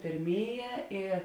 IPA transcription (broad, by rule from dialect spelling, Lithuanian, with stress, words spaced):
pʲeːrʲˈmʲeːˌjɛː ɪ